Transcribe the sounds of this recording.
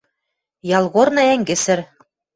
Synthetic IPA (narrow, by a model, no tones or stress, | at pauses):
jɑlˠɣornɤ̆æŋɡɘ̆sɘ̆ɾ